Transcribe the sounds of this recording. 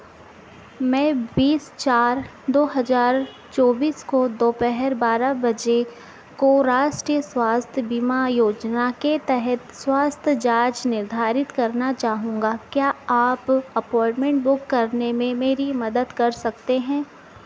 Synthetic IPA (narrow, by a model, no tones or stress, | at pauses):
mɛ̃ːbiːst͡ʃaːɾ | d̪oːɦɐzaːɾ | t͡ʃɔːbiːskod̪oːpɛɦɛɾbaːɾabɐd͡ʒe | koɾaːʃʈɾiːjəswaːst̪ʰjəbimajoːd͡ʒnaket̪ɛɦɛt̪swaːst̪ʰjəd͡ʒaːt͡ʃnɪɾd̪ʱaːɾɪt̪kɐɾnat͡ʃaːɦũːŋɡakjaːaːpɐpɔːɪɳʈmẽɳʈ̚bʊkːɐɾnemẽmeːɾimɐd̪əd̪kɐɾsɐk̚t̪eɦɛ̃ː